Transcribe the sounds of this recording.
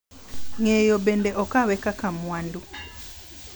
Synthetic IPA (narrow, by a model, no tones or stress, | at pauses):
ŋejobɛndɛʔɔkawɛkakamwandu